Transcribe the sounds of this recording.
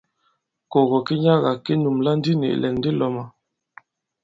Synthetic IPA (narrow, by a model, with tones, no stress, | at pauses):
kɔ˨ɣɔ˨ke˦ɲa˦ɣa˨ke˦nu˨mla˦n̩˦di˦nḛ˨ʔlɛ˨n˦di˦lɔ˨ma˨